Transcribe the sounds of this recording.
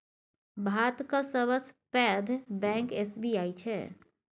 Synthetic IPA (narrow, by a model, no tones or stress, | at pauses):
bʱat̪kəsəβəspɛd̪ʱbɛ̃ŋkesbiajt͡ʃʰɛ̰